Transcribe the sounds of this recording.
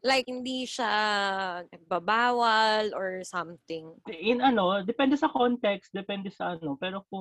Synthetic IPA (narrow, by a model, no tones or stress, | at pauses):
lajk̚hɪnd̪iʃa | nɐɡ̚bɐbaːwɐlʔɔɹsɐmt̪ɪŋɪnɐno̞d̪ɛpɛnd̪ɛsɐkont̪ɛkst̪̚d̪ɛpɛnd̪ɛsɐʔɐno̞pɛːɾo̞k̚ʊ